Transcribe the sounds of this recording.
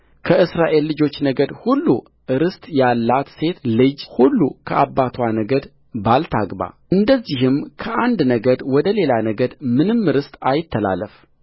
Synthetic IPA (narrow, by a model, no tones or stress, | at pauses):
kʰəʔɨsɾaʔe̞lːɨd͡ʒo̞t͡ʃːnəɡəd̪hulːu | ɨɾɨst̪jalːat̪se̞t̪lɨd͡ʒhulːukʰəʔabːat̪ʰwanəɡəd̪ | balt̪ʰa̰ɡba̰ʔɨnd̪əzːiɦɨmkʰəʔand̪nəɡəd̪wɔd̪əle̞lanəɡəd̪mɨnɨmːɨɾɨst̪ajɪt̪ʰːəla̰lːəf